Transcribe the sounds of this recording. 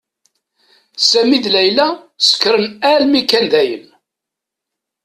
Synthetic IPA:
sæmiðlæjlæ | sə̥kːɾənælmikænðæjən

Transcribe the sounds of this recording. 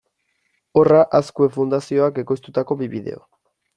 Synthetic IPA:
oraʔaskue̞fund̪asio̞ake̞ko̞jst̪ut̪ako̞βiβiðe̞̰o̰

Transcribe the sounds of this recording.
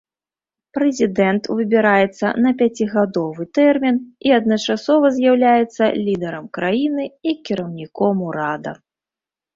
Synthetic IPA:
pɾɛzʲid̪ɛnt̪vɨbʲiɾajɛt̪sːɐ̰nɐpʲat͡sʲiɣad̪ɔvɨt̪ɛrmʲiniɐd̪̚nɐt͡ʂasɔvɐzʲjawlʲajɛt̪sːɐlʲid̪ɛɾɐmkɾajinɨikʲiɾɐwnʲikɔmuɾad̪ɐ̰

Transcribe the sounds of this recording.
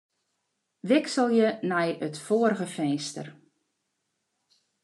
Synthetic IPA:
ʋɪksəlˠjənɛjətfoəɾəɣəfɛjstə̰r

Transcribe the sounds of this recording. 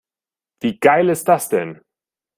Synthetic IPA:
v̥iːɡ̥aɪlɪst̚d̥asd̥ɛn

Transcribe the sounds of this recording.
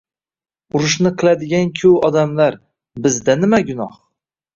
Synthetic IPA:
ʊɾʊʃnɪqʰɨlˠad̪ɪɡʲankʲʰɵwɒd̪amlaɾ | bɪzd̪anɪmaɡʲʊnɒh

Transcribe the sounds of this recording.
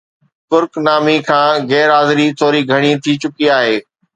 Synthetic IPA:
t̪ʊɾknaːmikʰãːɣɛːɾɦaːzɪɾit̪ʰoːɾiɡʱɐɽ̃it̪ʰit͡ɕʊkiaːɦeː

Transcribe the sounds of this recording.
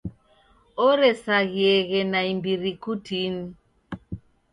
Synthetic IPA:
ɔɾɛsaɣiɛɣɛnaimbiɾikutini

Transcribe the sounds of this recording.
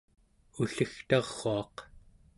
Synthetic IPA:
uɬəxt̪ɑʁːoɑq

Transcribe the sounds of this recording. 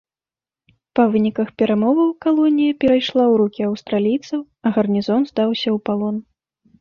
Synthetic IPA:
pɐvɨnʲikɐxpʲɛɾamɔvɐwkalˠɔnʲijɐpʲɛɾajʂlˠawɾukʲiɐwst̪ɾalʲijt̪sɐw | ɐɣɐrnʲizɔnzd̪awsʲɐwpalˠɔn

